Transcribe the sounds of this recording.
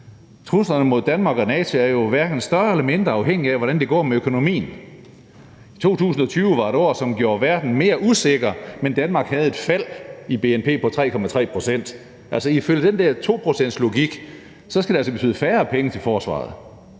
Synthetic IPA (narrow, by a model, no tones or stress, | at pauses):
t͡sʰʁuslɐnəmo̝ð̞̰ˠd̥ænmɑ̈ːɡ̥ɒnɛːt͡sʰo̝æɐjo̝ʋæɐɡ̥n̩sd̥ɶɐelɐme̝nd̥ʁɐɑ̈ʊɦeŋ̰iæʋɒɾænd̥e̝ɡ̥ɒ̰ːmeøkʰo̝no̝mḭːn̩ | i̥t͡sʰo̝̰ːt͡sʰṵːsn̩ɒ̽t͡sʰyːʊəʋɑ̈e̝ɾɒ̰ːsɒ̽mɡ̥jo̝ːɐʋæɐd̥n̩me̝ːɐʔuse̝ɡ̥ɐmend̥ænmɑ̈ːɡ̥hæð̞̩ˠe̝d̥fæl̰ib̥e̝enpʰe̝̰ːpʰɒ̽t͡sʰʁɛ̰ːkʰɒ̽mæt͡sʰʁɛ̰ːpʰʁo̝sen̰d̥ | ælsɒiføl̰jəd̥end̥æɐ̰t͡sʰo̝̰ːpʰʁo̝sen̰d̥slo̝ɡ̥iɡ̥ | sɒ̽sɡ̥æd̥eælsɒb̥e̝̥t͡sʰy̰ð̩̰ˠfæːɐpʰeŋət͡sʰe̝lfɒːsʋɑ̰̈ːð̩ˠ